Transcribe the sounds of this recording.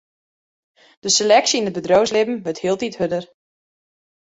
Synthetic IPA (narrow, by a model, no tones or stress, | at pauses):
d̥əselɛksinət̚bədrowslɪbm̩ʋəthiəlˠtithødər